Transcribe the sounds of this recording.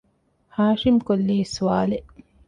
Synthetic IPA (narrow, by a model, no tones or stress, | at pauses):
haːʃimkolːiːsuwaːle